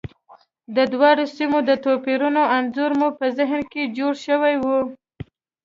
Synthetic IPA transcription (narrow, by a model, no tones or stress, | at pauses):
d̪əd̪wɑɽosimod̪ət̪opeɾunoanzoɾmupəzɪɦnked͡ʒoɽʃəwajwu